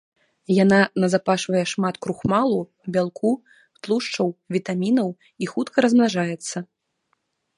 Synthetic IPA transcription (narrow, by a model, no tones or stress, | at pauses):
jananɐzapaʂvɐjɛʂmat̪kɾuxmalˠu | bʲalˠkʰu | t̪lˠuʂt͡ʂɐwvʲit̪amʲinɐw | ixut̪kɐɾɐzmnaʐajɛt̪sːɐ